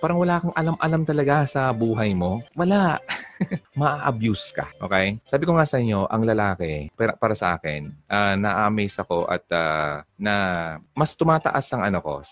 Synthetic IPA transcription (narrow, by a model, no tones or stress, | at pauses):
paːɾɐŋwɐlaːkɐŋʔɐlamʔɐlamt̪ɐlɐɡasɐbuːɦɐjmo̞wɐla | mɐʔaːʔɐbjuskɐ̰ʔo̞ːkɛjsaːbɪkoŋasɐʔɪɲːo̞ʔɐŋlɐlaːkɛpaɐpaːɾɐsɐ̰ʔaːkɪ̰nʔanɐʔaːmɛjsɐko̞ʔɐ̰t̪̚a̰ːnɐmɐst̪ʊmaːt̪ɐ̰ʔasɐŋʔɐnoko̞̰